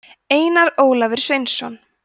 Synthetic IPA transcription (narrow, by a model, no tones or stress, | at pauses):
eːjnaɾoːwlavɪɾ̥svejnsːɔn